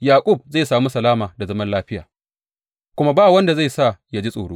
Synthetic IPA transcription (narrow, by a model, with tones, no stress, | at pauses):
jaː˨kʷʼʊ˦˨b̚za˦˨saː˨mu˦sɐ˨laː˦maː˨da˨zɐ˦mɐ˦nlaː˦ɸɪ˦jaː˨ | kʷʊ˦ma˦baː˦˨wɐ˦nda˨za˦˨sa˦˨ja˦d͡ʒi˦sʼoː˨ɽoː˦